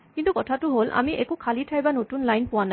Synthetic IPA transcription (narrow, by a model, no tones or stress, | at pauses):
kintukɔtʰatʊɦolʔa̰miʔɛkukʰalitʰajbanotunlajnpʊwana